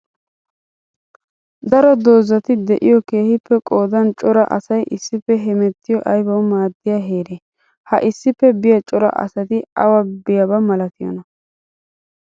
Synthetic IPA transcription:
d̪ɐɾɔd̪oːzːɐt̪ɪd̪ɛʔɪjɔke̞ːhɪpːɛkʼo̞ːd̪ɐnt͡ʃʼɔɾɐ̰ʔɐ̰sɐjʔɪsːɪpːɛɦɛmɛt̪ːɪjɔʔɐjbɐwmaːd̪ːɪjaɦe̞ːɾe | hɐʔɪsːɪpːɛbɪjɐt͡ʃʼɔɾɐ̰ʔɐ̰sɐt̪ɪɐwɐbɪjɐbɐmɐlɐt̪ɪjɔ̰nɐ

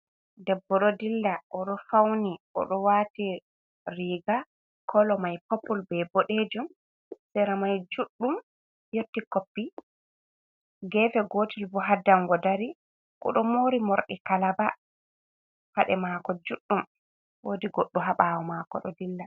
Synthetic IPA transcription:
dɛbːɔɗɔdilːaʔɔɗɔfawniʔɔ̰ɗɔwati | ɾiːɡa | kʰɔlɔmajpopːulbɛboɗed͡ʒum | sɛɾamajd͡ʒuɗːum | jotːikopːi | ɡɛvɛɡoːtilbɔɦadaŋɡɔdaɾi | kɔ̰ɗɔmoɾimoɾɗḭkalaba | faɗɛmakɔd͡ʒuɗːum | woːdiɡoɗːuɦaɓawɔmakɔ̰ɗɔ̰dilːa

